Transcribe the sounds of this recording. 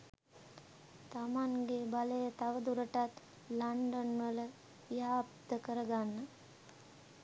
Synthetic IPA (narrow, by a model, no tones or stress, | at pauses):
t̪amaŋɡebaləjət̪aʋəd̪uɾəʈat̪ | laɳɖonʋələ | iapt̪əkəɾəɡanːə